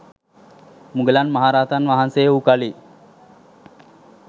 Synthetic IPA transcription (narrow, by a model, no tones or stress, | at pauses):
muɡəlanmaɦaɾaːt̪anʋaɦansejukali